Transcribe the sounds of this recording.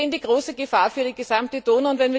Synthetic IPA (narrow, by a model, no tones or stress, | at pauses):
ndiːɡʁoːsəɡəfaːɐfyːɐɾiːɡəzamtəd̥oːnəʊntvɛnviː